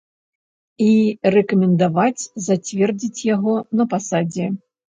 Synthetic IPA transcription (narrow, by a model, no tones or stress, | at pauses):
irɛkɐmʲɛnd̪avat͡sʲzat͡sʲvʲɛrd͡zʲit͡sʲjaɣɔnɐpasad͡zʲɛ